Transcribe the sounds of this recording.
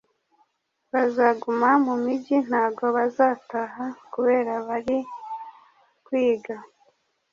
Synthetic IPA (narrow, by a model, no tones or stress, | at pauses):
βazaɡumamumiɟin̥haːɡo̞βazaːtaɦakuβe̞ːɾaβaɾi | kwiːɡa